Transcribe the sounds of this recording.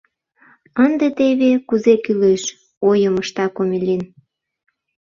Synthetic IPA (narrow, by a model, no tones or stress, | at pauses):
ənd̪et̪eβekuzekyleʃ | ojəməʃt̪ɑkomʲelʲin